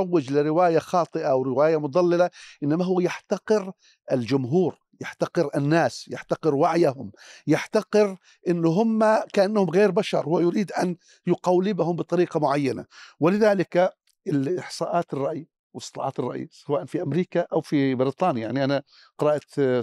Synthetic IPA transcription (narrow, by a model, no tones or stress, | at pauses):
wːɪd͡ʒlɪɾɪwaːjaxɑːt̪ˤɨʔawɾɪwaːjamʊt̪̚d̪ˤɑlːɪlaʔɪnːamaɦʊwːjaħt̪aqɪɾ | ʔɪld͡ʒʊmɦuːɾ | jaħt̪aqɨɾʔɪnːaːsjaħt̪aqɨɾwaʕjahʊmjaħt̪aqɪɾ | ʔɪnːʊɦʊmːakaʔanːahʊmɣeːɾbaʃɑɾˤwɪjʊɾiːd̪ʔan | jʊqawlːɪbahʊmbɨt̪ˤɑɾiːqɑmʊʕajːana̰wɪlɪðaːlɪka | ɪlɪħsˤɑːʔɑːt̪ɪrˤːɑʔi | wst̪ːɨlɑ̰ːʕɑːt̪ɪrˤːɑʔḭsawaːʔanfiʔamɾiːkaʔawfibɪɾit̪ˤɑːnjajaʕniʔana | qɪɾɑːʔt̪